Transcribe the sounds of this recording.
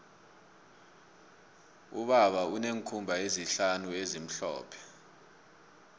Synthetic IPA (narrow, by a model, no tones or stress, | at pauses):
ṵɓaɓauneŋkʰumbʱaeziɬanuezim̩ɬɔ̰ːpʰɛ̥